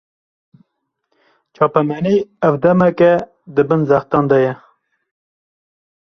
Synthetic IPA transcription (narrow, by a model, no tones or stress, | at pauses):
t͡ʃʰɑːpɛmɛniævd̪ɛmɛkɛ | d̪ɨbɨnzæxt̪ɑnd̪ɛjɛ